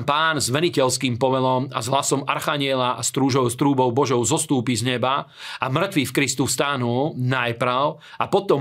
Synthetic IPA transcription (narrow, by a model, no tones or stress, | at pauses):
mpaːnzʋɛnicɛlskiːmpɔʋɛlɔma̰zɦlasɔma̰ɾxaɲɪɛlaʔast̪ɾuːʒɔʊst̪ɾuːbɔʊbɔʒɔʊzɔst̪uːpizɲɛbaʔamr̩t̪ʋifkɾist̪ust̪anulnajpɾaʊ | apɔt̪ɔ